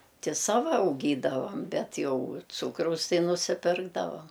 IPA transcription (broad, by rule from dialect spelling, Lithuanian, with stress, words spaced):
ˈtʲɪ ˈsɑːʋɐ ɐʊˈɡʲiːdɐʋɐm ˈbʲɛt ˈjɛʊ ˈt͡suːkrɐʊs ˈtɐɪ nʊsʲɪˈpʲɪrɡdɐʋɐm